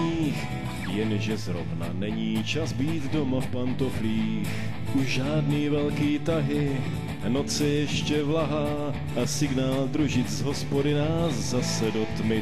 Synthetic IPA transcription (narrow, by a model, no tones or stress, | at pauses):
iːx | jɛnʒɛzɾo̞vna̰nɛɲiːt͡ʃazbiːt̪do̞mafpant̪o̞fliː | x | ʔuʒaːdniːvɛlkiːt̪aɦɪ | no̞t͡sɪjɛʃcɛvlaɦaː | ʔasɪɡnaːld̪ɾuʒɪt͡szɦo̞spo̞dɪnazzasɛdo̞t̪mɪ